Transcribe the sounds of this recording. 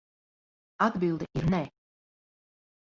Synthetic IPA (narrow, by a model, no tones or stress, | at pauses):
ad̪bilˠd̪ɛʔiɾnɛ